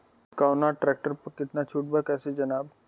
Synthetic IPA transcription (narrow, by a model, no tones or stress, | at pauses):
kawnaʈɾɛk̚ʈəɾpəkiʈ̪nat͡ʃʰuʈ̚bakɛsed͡ʒənaːb